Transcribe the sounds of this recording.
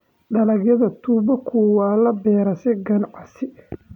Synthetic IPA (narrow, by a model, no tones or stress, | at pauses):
ɖɐlɐɡjɐðɐt̪ʰuːbɐkʰuwaːlɐbɛːɾɐsɛɡɐnʕɑsɪ